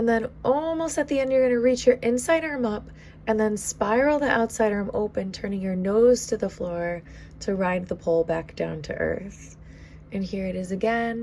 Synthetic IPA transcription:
ɨ̃nðɨ̃nʔɔlˠmoʊstɨt̪̚ðiɛ̃ndjə˞ɡʌnɨɹit͡ʃjə˞ʔɪ̃nsaɪɾə̃˞mʌp | ɨ̃nðɨ̃nspaɪɹl̩ˠðiʔaʊtsaɪɾə̃˞mʔo̰ʊpɨ̃ntʰɜ̃˞nɪ̃ŋjə˞noʊz̥tʰɨðəflɔɹ | ɾɨɹaɪd̪̚ðəpʰoʊlˠbæk̚d̥ã̰ʊ̃ntʰɨ̰ʔɜ̰˞θ | ʔɨ̃nhiɹɨɾɨzɨɡɛ̃n

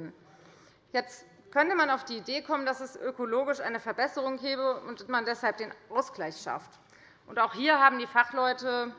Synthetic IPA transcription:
n | jɛt͡st | kʰœntəmanaʊfd̥iːideːkʰɔmənd̥asɛsʔøkoloːɡɪʃʔa̰ɪnəfɛɐbɛsəʁ̞ʊŋɡɛːbəʊnttmandɛshalp̚d̥eːnʔaʊsɡ̥laɪçʃa̰ft | ʔʊntaʊxhiːɐɦaːbm̩diːfaχlɔʏtə

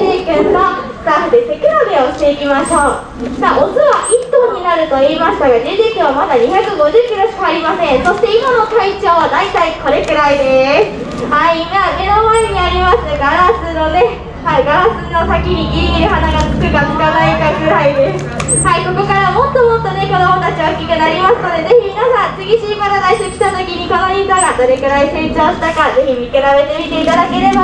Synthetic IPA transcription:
iːkɯ̃nno̞ | sad̪ese̞kɯɾad̪eoɕi̥t̪e̞ikʲimaɕo̞ː | saːʔozɨβaʔit̪ːo̞ːɲ̟inaɾɯ̟t̪o̞iːmaɕi̥t̪aɡaded̪iːkɯ̟ɰ̃amad̪aɲ̟içakɯ̟ɡo̞ʑɨːkʲiɾo̞ɕi̥kaːɾʲimasẽ̞ɰ̃so̞ɕi̥t̪e̞imano̞t̪ait͡ɕo̞ːβad̪ait̪aiko̞ɾe̞kɯ̟ɾaid̪esɨ̥ | aimaːne̞no̞maeɲ̟iaɾʲimasɨɡaɾaɨno̞ne̞ | haiɡaɾasɨno̞sakʲiɲ̟iɡʲiɾʲiɡʲiɾɯ̟hanaɡat͡sɨ̥kɯ̟kaŋkanaikaɡɯ̟ɾaid̪es | haiko̞ko̞kaɾamo̞t̪ːo̞mo̞t̪ːo̞ne̞ko̞d̪omo̞t̪at͡ɕiβaɯ̟kʲikɯ̟naɾʲimasɨno̞d̪e̞ze̞çimʲinasãnt͡sɨɡʲiɕiːkanad̪aiɕokʲi̥t̪at̪o̞kʲiɲ̟iko̞noɲʲisaɡad̪o̞ɾe̞kɯ̟ɾaise̞ːt͡ɕoːɕi̥t̪akaɾaze̞çimʲikɯɾabe̞t̪e̞mʲit̪e̞it̪ad̪ake̞ɾe̞ba

